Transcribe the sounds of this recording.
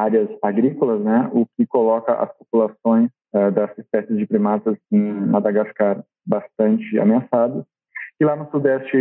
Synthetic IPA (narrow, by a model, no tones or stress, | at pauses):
aɾjɐzaɡɾikolɐznɛʊkɪkolɔkɐʔɐ̰spopulasõj̃s | ɛd̪ɐzɪspɛsɪzd͡ʒɪpɾimasɐzẽj̃mad̪aɡaskaɾ | bast̪ɐ̃nt͡ʃɪa̰measad̪ɐs | kɪlanʊsud̪ɛst͡ʃɪ